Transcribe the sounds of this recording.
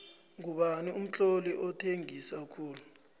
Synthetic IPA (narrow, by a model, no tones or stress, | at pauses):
ŋuɓanium̩t͡ɬʼoliʔɔtʰeŋisakʰuːlu